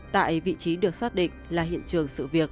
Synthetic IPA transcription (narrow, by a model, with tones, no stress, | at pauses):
t̪a̰ː˧˨jvḭ˧˨t͡ɕi˨˦ɗɨ˨˩ək̚saː˦˥t̚ɗḭ̈˧˨ŋ̟laː˨˩ɦḭ˧˨ənt͡ɕɨ˨˩əŋsɨ̰˧˨vi˨˩ək̚